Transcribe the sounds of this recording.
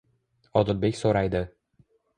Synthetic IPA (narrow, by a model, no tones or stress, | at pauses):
ɒd̪ɒlbekʲsoɾajd̪ɪ